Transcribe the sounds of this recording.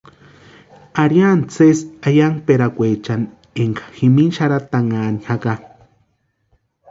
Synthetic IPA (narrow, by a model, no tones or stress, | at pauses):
aɾjant͡sesajaŋpeɾakʷet͡ʃan | eŋkḁximinʃaɾat̪aŋaːnihaka